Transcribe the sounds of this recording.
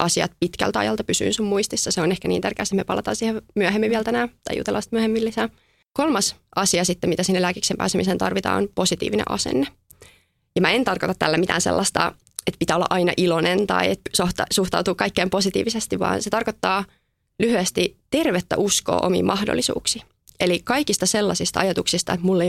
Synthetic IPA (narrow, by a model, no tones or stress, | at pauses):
ʔɑsiɑ̰t̪pit̪kæ̰lt̪ɑ̰jɑlt̪ɑpysy̰ːnsummuist̪isːɑseonehkæniːnt̪ærkeːsemepɑlʔɑt̪ɑ̰ːnsiːhemyæɦemːiʋiɛlt̪ænæːt̪ɑjṵt̪eɑlʔɑst̪myæhemːilːisæː | kolmɑsʔɑsiɑsit̪ːemit̪æsihnlæːkiksempæ̰ːsemisent̪ɑrʋit̪ɑ̰ːo̰nposit̪ḭːʋinḛʔɑ̰sḛnːe | jɑmæent̪ɑrkot̪ɑt̪t̪ːælːæmit̪æ̰ːnsḛlːɑst̪ɑ̰ | et̪pit̪æːolːɑ̰ʔɑinɑ̰ʔilonent̪ɑ̰iet̪soht̪ɑsuht̪ɑ̰wt̪uːkɑikːeːmposit̪ḭːʋisest̪iʋʋɑ̰ːnset̪ɑrkot̪ːɑː | lyhyæst̪it̪erʋet̪ːæ̰ʔusko̰ːʔomḭːmʔɑhdo̰lːisṵːksi | elikɑikist̪ɑselːɑsist̪ɑɑjɑt̪uksist̪ɑet̪mulːe